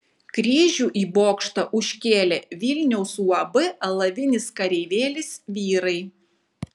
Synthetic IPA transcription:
kɾʲiːʒʲuːʔiːboːkʃt̪ɐʔʊʃʲkʲeːlʲeːʋʲilʲnʲɛʊsuɐbɨɐlˠɐʋʲɪnʲɪskɐɾʲɛɪʋʲeːlʲɪsʲʋʲiːɾɐɪ

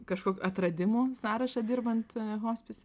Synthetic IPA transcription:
kɐʃkoːkʲuʔɐt̪ɾɐd̪ʲɪmuːsɑːɾɐʃɐd̪ʲɪːrbɐnt̪ɦoːsʲpʲɪsʲ

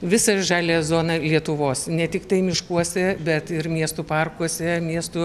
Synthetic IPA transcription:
ʋʲɪsɐʒɑːlʲeːzoːnɐlʲiɛt̪ʊʋoːsnʲɛt̪ʲɪkt̪ɐɪmʲɪʃkuɔsʲɛbʲɛt̪ɪrmʲiɛst̪ʊpɐrkuɔsʲɛmʲiɛst̪ʊ

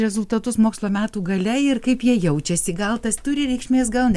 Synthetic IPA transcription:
ɾʲɛzʊlˠt̪ɐt̪ʊsmoːkslˠoːmʲæːt̪uːɡɐlʲɛɪrkɐɪpjiɛjɛʊt͡ʃʲɛsʲɪɡɐlˠt̪ɐst̪ʊɾʲɪɾʲɛɪkʃʲmʲeːsɡɐlˠnʲ

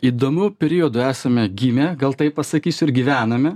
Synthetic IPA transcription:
iːd̪oːmʲuːpʲɛɾʲiod̪ʊæːsɐmʲɛɡʲiːmʲeɡɐlˠt̪ɐɪppɐsɐkʲiːsʲʊɪɾɡʲiʋʲæːnɐmʲɛ

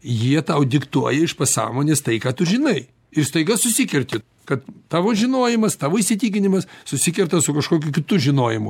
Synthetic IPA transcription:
jiɛt̪ɐʊd̪ʲɪkt̪uɔjɛɪʃpɐsɑ̰ːmoːnʲeːst̪ɐɪkɑːt̪ʊʒʲɪnɐɪ | ɪrst̪ɐɪɡɐsʊsʲɪkʲɛɾʲt̪ʲɪ | kɐt̪t̪ɑːʋoːʒʲɪnoːjɪmɐst̪ɑːʋoːisʲɪt̪ʲiːkʲɪnʲɪmɐssʊsʲɪkʲɛɾt̪ɐsʊkɐʃkoːkʲʊkʲɪt̪ʊʒʲɪnoːjɪmʊ

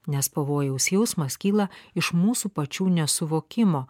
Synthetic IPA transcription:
nʲɛspɐʋoːjɛʊsʲjɛʊsmɐskʲiːlˠɐɪʃmuːsuːpɐt͡ʃʲuːnʲɛsʊʋoːkʲɪmoː

